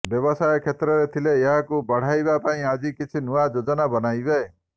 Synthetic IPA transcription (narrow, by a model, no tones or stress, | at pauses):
bjɔbɔsajɔkʰet̪ɾɔɾet̪ʰileeɦakubɔɽ̤ajbapaĩad͡ʒikit͡ʃʰinuad͡ʒod͡ʒɔnabɔnajbe